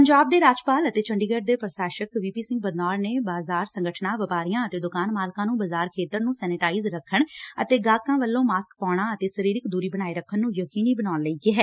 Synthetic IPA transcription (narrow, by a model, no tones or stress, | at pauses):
pəɲd͡ʒaːb̚d̪eːɾaːd͡ʒpaːlət̪eːt͡ʃʰəɳɖiːɡəɖd̪eːpɾəsaːʃəkʋiːpiːsɪ̃ŋɡ̚bəd̪naːɾneːbaːzaːɾsə̃ŋɡəʈʰnãːʋəpaːɾijãːət̪eːd̪ʊkaːnmaːlkãːnũːbəzaːɾkʰeːt̪əɾnũːsɛːnɪʈaːɪzɾəkʰːəɳə̰t̪eːɡaːkːãːʋəlːõːmaːskpaːɽ̃ãːət̪eːsəɾiːɾɪkd̪uːɾiːbəñaːiːɾəkʰːənːũːjəkiːniːbənaːnləiːɡeːɦɛː